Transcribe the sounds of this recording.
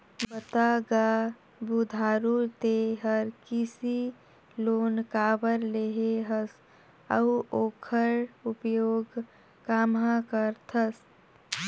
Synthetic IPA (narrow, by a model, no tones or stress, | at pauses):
bət̪aɡa | bud̪ʱaːɾuɾt̪eɦəɾkisi | loːnkaːbəɾleɦeɦəs | əuʔoːkʰəɾupjoːɡ | kaːmãkəɾt̪ʰəs